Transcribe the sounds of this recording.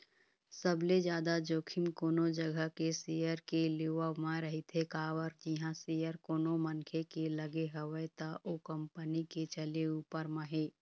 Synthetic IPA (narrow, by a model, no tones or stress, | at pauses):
səbled͡ʒjaːd̪ad͡ʒoːkʰɪmkoːnod͡ʒəɡʱəkesijəɾkeleʋəmãɾəɦit̪ʰekaːʋəɾd͡ʒiɦãsijəɾkoːnomənkʰekeləɡeɦəwəjt̪aʔoːkə̃mpəniket͡ʃəleuːpəɾmə̃ɦeː